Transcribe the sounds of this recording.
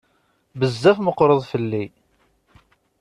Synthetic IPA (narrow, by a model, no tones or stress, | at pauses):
bəzːæfməqːɾˤəðˤfəlːi